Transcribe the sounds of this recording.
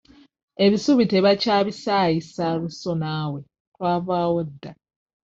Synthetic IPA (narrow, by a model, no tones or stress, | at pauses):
e̞βisuβiteβacaːβisaːjisaluso̞naːwe̞ | twaːvaːwodːa